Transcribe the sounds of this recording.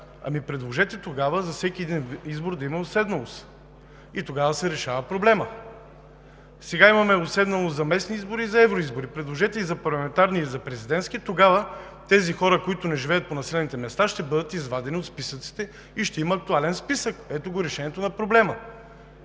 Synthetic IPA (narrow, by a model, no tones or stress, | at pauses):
ɐ̰mipɾɛd̪lˠoʒɛt̪ɛt̪oɡavəzɐfsɛkʲiɛd̪inizboɾd̪ɐimɐosɛd̪nɐlˠos | it̪oɡavəsɛɾɛʃavəpɾoblɛmə | sɛɡaimɐmɛosɛd̪nɐlˠoszɐmɛsniizboɾizɐɛvɾoizboɾipɾɛd̪lˠoʒɛt̪ɛizɐpɐɾlˠɐmɛnt̪aɾnizɐpɾɛzid̪ɛ̃nt̪skit̪oɡavə | t̪ɛzixɔɾəkoit̪ʊnɛʒivɛjət̪̚ponɐsɛlɛnit̪ɛmɛst̪aʃt̪ɛbɤd̪ət̪izvad̪ɛniot̪spisət̪si̥t̪ɛ | iʃt̪ɛiməːk̚t̪ualɛnspisəkɛt̪oɡoɾɛʃɛniɛt̪onɐpɾoblɛmə